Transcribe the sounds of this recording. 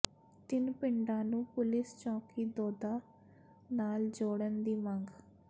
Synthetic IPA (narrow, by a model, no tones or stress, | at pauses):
t̪ɪnpɪɳɖãːnũːpʊlɪst͡ʃɔ̃ːkiːd̪ɔːd̪aː | naːld͡ʒoːɽənd̪iːməŋɡ